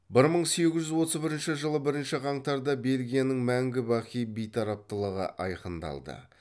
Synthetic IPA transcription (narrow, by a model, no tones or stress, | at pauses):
bɪɾməɴse̞ɡʲɪzʒʏzwo̞t̪əzbɪɾɪnʃɪʒəlˠəbɪɾɪnʃɪʁɑɴt̪ɑɾd̪ɑbe̞lɡʲijanəŋmæŋɡʲɪbɑχijbijt̪ʰɑɾɑp̚t̪əlˠəʁə̰ʔɑjqənd̪ɑ̰lˠd̪ə̰